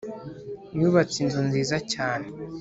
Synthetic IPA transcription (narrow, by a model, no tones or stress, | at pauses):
ɲuβat͡sinzonziːzacaːne